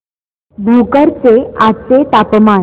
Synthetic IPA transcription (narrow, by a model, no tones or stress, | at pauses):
bukəɾt͡seat͡set̪apma